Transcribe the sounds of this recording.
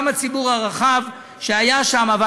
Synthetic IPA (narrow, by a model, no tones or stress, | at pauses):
mat͡sibuʁhaʁaχav | ʃeajaʃamava